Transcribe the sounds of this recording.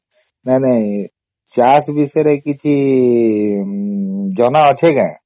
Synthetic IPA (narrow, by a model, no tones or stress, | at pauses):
nanaj | t͡ʃasbisɔɾekit͡ʃʰi | d͡ʒɔnaɔt̪ʰekãj̃